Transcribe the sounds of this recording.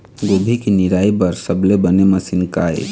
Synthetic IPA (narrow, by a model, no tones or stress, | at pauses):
ɡobʱikiniɾaibəɾsəblebəneməsinkaḛ